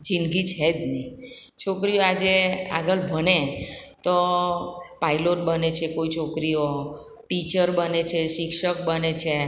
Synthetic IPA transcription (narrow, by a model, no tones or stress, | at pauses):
d͡ʒinɡit͡ʃʰɛd͡ʒ̪ni | t͡ʃʰokɾijoad͡ʒea̰ɡəlbʱənet̪o | pailoʈ̚bənet͡ʃʰekoit͡ʃʰokɾijo | ʈit͡ʃəɾbənet͡ʃʰeʃɪkʃək̚bənet͡ʃʰe